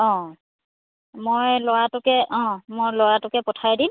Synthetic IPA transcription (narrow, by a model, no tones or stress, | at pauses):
ɔ̃ | mojloɹatʊkɛʔɔ̃mojloɹatʊkɛpɔtʰajdin